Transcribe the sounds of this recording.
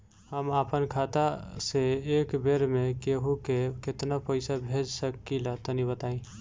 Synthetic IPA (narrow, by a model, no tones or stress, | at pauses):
həmaːpənkʰaːt̪aseeːkbeːɾmẽkeɦukekɪt̪napəɪsabʱeːd͡ʒsəkːilat̪ənibət̪aːĩ